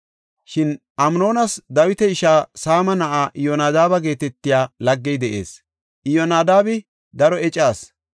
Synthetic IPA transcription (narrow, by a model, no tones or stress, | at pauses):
ʃɪn | ʔɐmno̞ːnɐsd̪ɐwɪt̪ɛɪʃaːsaːmɐnɐʔaːʔɪjɔnaːd̪aːbɐɡe̞ːt̪ɛt̪ːɪjaːlɐɡːɛjd̪ɛʔḛːs | ʔɪjɔnaːd̪aːbɪ | d̪ɐɾɔɛt͡ʃʼaːs